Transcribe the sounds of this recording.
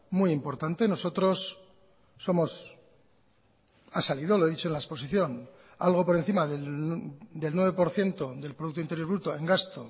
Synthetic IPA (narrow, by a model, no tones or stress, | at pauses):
muijimpo̞ɾt̪ant̪e̞no̞so̞t̪ɾo̞sː | o̞mo̞s | asaliðo̞lo̞e̞ðit͡ʃoenlaespo̞siθjo̞n | a̰lɣ̞o̞po̞ɾe̞n̟θimaðe | d̪e̞lnwe̞βe̞po̞ɾθje̞nt̪o̞ðe̞lpɾo̞ðuk̚t̪oint̪e̞ɾjo̞ɾβɾut̪o̞e̞ŋɡast̪o̞